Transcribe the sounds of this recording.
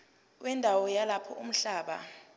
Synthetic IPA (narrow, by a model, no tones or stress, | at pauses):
wʔɛndʱawɔjalapʰɔʔum̩ɬaːɓa̰